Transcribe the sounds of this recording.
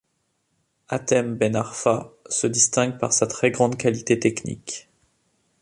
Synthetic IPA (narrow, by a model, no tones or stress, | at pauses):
at̪ɛmbɛnaʁfasəd̪ist̪ɛ̃ɡpaʁsat̪χɛɡʁɑ̃d̪kalit̪et̪ɛknḭk